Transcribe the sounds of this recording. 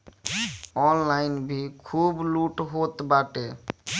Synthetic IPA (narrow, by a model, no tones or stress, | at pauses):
ɔnlajnbʱikʰubluʈɦot̪baʈe